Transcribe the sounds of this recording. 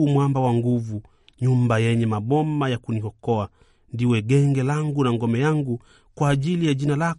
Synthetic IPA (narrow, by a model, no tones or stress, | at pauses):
mwambawaŋɡuvu | ɲumbajɛɲɛmaɓɔmajakunihɔkɔa | ndiwɛɡɛŋɡɛlaŋɡunaŋɡɔmɛjaŋɡu | kwaːʄilijaʄinala